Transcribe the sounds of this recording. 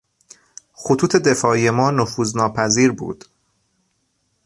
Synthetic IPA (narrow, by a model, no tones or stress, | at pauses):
xot̪ʰuːt̪ʰe̞d̪e̞fɒːije̞mɒːnofuːznɒːpʰæziːɾbṵːd̪̥